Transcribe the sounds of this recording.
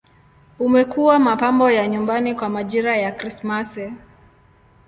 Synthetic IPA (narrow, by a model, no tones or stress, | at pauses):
umɛkuwamapambɔjaɲumbanikwamaʄiɾajakɾismasɛ